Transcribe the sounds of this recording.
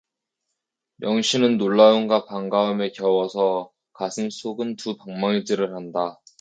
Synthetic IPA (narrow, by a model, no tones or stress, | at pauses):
jʌŋɕʰinɯnːoɭːauŋɡapaŋɡaɯme̞kjʌwʌsʰʌ | kasʰɯŋsʰoɡɯntupaŋmaŋid͡ʑiɾɯɭhanda